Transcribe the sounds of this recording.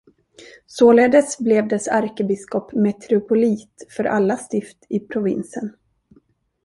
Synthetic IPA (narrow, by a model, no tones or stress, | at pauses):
soːleːd̪əsblɛvd̪ɛsaɾkəbɪskɔpmɛt̪ʰɾɪʊpʊliːt̪fœɾʔa̰lːast̪ɪft̪ɪpʰɾʊvɪ̰nsən